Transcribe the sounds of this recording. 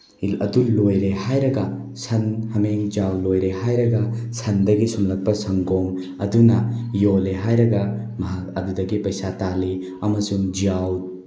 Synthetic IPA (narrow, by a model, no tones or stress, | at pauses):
ilɐ̰dulojɾehajɾɐɡɐ | sʰɐnhɐmeŋd͡ʒiawlojɾeɦajɾɐɡɐsʰɐndɐɡisumlɐk̚pɐsɐŋɡɔŋ | ɐdunɐjoleɦajɾɐɡɐmɐɦak̚ɐdudɐɡipɐjsatali | ɐmɐsuŋd͡ʒiaw̚